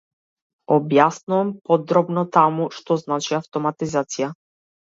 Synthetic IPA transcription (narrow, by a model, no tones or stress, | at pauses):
ɔbjasnuvampɔd̪ɾɔbnɔt̪amuʃt̪ɔznat͡ʃiaft̪ɔmat̪izat̪sija